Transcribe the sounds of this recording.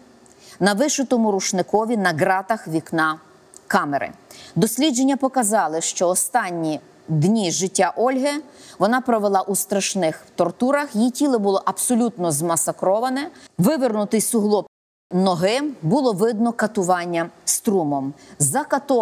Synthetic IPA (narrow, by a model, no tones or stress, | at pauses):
nɐʋɪʃʊt̪ɔmʊɾuʃnɪkɔʋʲinɐɡɾɑt̪ɐxʋʲiknɑ | kɑmeɾɪ̰d̪ɔsʲlʲidd͡ʒenʲːɐpɔkɐzɑlˠɪʃt͡ʃɔɔst̪ɑnʲːi | d̪nʲiʒɪtʲːaʔɔlʲɦɪʋɔnɑpɾɔʋelˠɑʔust̪ɾɐʃnɪxwt̪ɔrt̪uɾɐxjitʲilˠɪbʊlˠɔʔɐbsɔlʲut̪nɔzmɐsɐkɾɔʋɐnɛʋɪʋɪrnʊt̪ɪjsʊɦlˠɔp | nɔɦɪbʊlˠɔʋɪd̪nɔkɐt̪ʊʋɑnʲːɐst̪ɾumɔmzɐkɐt̪ɔ